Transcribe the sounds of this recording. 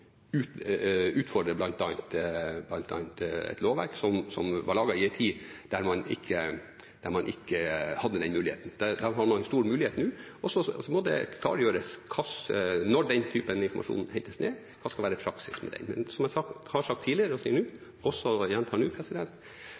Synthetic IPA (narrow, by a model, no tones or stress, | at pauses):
ʉːt̪ʉːt̪fɔɖɾəblɑnt̪ɑːnt̪blɑnt̪ʰɑ̰ːnt̪ɛ̰t̪loːʋæ̰ɾksɔmsɔmʋɑ̰ɭɑːɡɑɪɛɪt̪ʰiːd̪̥æɾmɑnɪ̰kʰːə | d̪̥æɾmɑnʔɪkːəhɑd̪ːəd̪ɛnmʉːlɪhḛːt̪n̩d̪̥æd̪æɾɦɑmɑnst̪uːɾmʉːlɪheːt̪nʉːɔsːɔmɔd̪ɛ̰kʰlɑ̰ːɾjøːɾəskʰɑsnɔɖɛnt̪ʰyːpənɪnfɔɾmɑ̰ʂṵːnn̩hɛŋt̪əsnḛː | kʰɑːskɑlʋæːɾəpʰɾɑksɪsmɛ̰d̪ɛ̰nmɛ̰nsɔmæɪsɑkhɑʂɑk̚t̪ʰːiːlɪəɾəɔsiːəɳʉː | ɔsːɔjɛnt̪ʰɑːɳʉːpʰɾɛsɪd̪ɛnt̪